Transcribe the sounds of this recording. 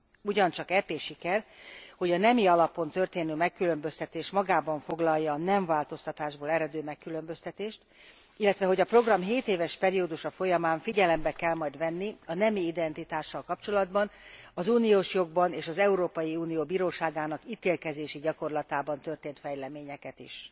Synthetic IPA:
uɟɒnt͡ʃɒkɛpeːʃikɛrho̞ɟɒnɛmiɒlɒpo̞nt̪ø̞rt̪eːnymɛkːylø̞mbø̞st̪ɛt̪eːʃmɒɡaːbɒɱfo̞ɡlɒjːɒːnɛɱvaːlt̪o̞st̪ɒt̪aːʒboːlɛɾɛd̪øːmɛkːylø̞mbø̞st̪ɛt̪eːʃt̪ | ilːɛt̪ʋɛɦo̞ɟɒpro̞ɡrɒmɦeːt̪eːvɛʃpɛɾioːd̪uʃɒfo̞jɒmaːɱfiɟɛlɛmbɛkɛlmɒjd̪ʋɛnːiɒnɛmiid̪ɛnt̪it̪aːʃːɒlkɒpt͡ʃo̞lɒd̪bɒnɒzuːnijoːʃjo̞ɡ̚bɒneːʃɒzɛuɾoːpɒjiuːnijoːbiːɾoːʃaːɡaːnɒkit̪eːlkɛzeːʃiɟɒko̞rlɒt̪aːbɒnt̪ø̞rt̪eːnt̪fɛjlɛmeːɲɛkɛt̪ḭʃ

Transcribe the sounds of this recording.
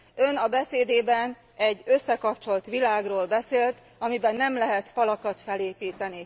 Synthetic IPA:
ø̞nɒbɛseːd̪eːbɛn | ɛɟːø̞sːɛkɒp̚t͡ʃo̞lt̪ʋilaːɡroːlbɛseːlt̪ | ɒmibɛnːɛmlɛɦɛt̪fɒlɒkɒt̪fɛleːpiːt̪ɛni

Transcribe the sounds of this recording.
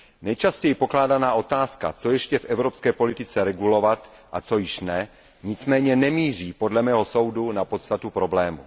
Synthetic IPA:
nɛjt͡ʃascɛjɪpo̞klaːdanaːʔo̞t̪aːska̰t͡so̞jɛʃcɛfʔɛvɾopskɛːpo̞lɪt̪ɪt͡sɛɾɛɡulo̞vat̪ | ʔat͡so̞jɪʃnɛ | ɲɪt͡smɛːɲɛnɛmiːr̝iːpo̞dlɛmɛːɦo̞so̞wdunapo̞t̪st̪at̪upɾo̞blɛːmṵ

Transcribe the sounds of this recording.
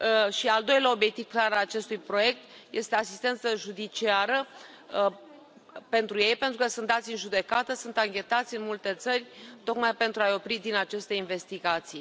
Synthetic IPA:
ʃiald̪o̞jlʲao̞bje̞k̚t̪iv̥klaɾalat͡ʃe̞st̪ujpɾo̞je̞k̚t̪je̞st̪easi̥st̪e̞nt̪səʒud̪it͡ʃiaɾə | pe̞nt̪ɾuje̞jpent̪ɾukəsunt̪d̪at̪sʲɨnʒud̪e̞kat̪əsunt̪aŋkʲe̞t̪at̪sʲɨnmult̪e̞t̪sərʲt̪o̞kmajpe̞nt̪ɾuajo̞pɾid̪inat͡ʃest̪e̞inve̞st̪iɡat̪sij

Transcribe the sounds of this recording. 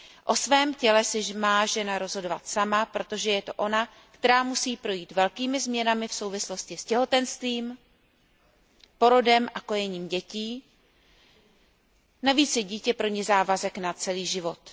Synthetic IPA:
ʔo̞svɛːmcɛlɛsɪmaːʒɛnaɾo̞zɦo̞do̞vat̪samapɾot̪o̞ʒɛjɛt̪oʔo̞na | kt̪ɛɾaːmusiːpɾo̞jiːt̪vɛlkiːmɪzmɲɛnamɪfso̞wvɪslo̞scɪscɛɦo̞t̪ɛnst̪viːm | po̞ɾo̞dɛmʔako̞jɛɲiːmɟɛciː | naviːt͡sjɛɟiːcɛpɾo̞ɲɛzaːvazɛknat͡sɛliːʒɪvo̞t̪

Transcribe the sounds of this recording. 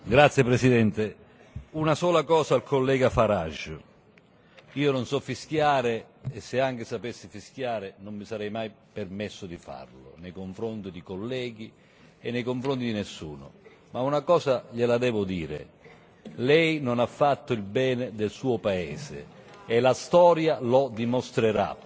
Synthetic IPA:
ɡɾat̪sːjepɾesid̪ɛnt̪ɪ | unasɔːlakɔːsaːlkʰolːɛːɡafaɾaʒʊ | iːononsɔfːisk̟jaːɾeː | sːɪaŋk̟ɪsapesːɪfiskjaːɾɪnomːisaɾɛjmaj | permesːʊd̪ifa̰rlʊ̰nejkoɱfɾont̪id̪ikolːɛːɡ̟i | ɛnːejkoɱfɾont̪id̪inesːṵːnʊ̰ | maunakɔːsaʎɪlad̪ɛːvʊd̪ḭːɾɪ̰ | lɛjnonafːat̪ːʊilbɛːnɪd̪elsuːʊpaɛːsɪ̰ːlast̪ɔːɾjalɔd̪imost̪ɾeɾa̰

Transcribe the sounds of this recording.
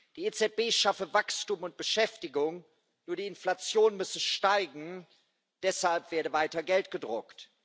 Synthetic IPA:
d̥iːet͡sɛt̚b̥eːʃafəvakstuːmʊnt̚b̥əʃɛftɪɡʊŋ | nuːɐdiːɪnflat͡sjoːnmʏsəʃtaɪɡŋ̩ | d̥ɛshalpv̥eːɐɾəvaɪtɐɡɛltɡ̥ədʁʊkt

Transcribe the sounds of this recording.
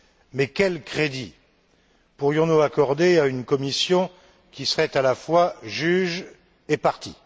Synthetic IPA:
mɛkʲɛlkχed̪i | puʁjɔ̃nuakɔʁd̪eaynkɔmisjɔ̃ | kʲisəʁɛt̪alafwaʒyʒ | epaʁt̪ḭ

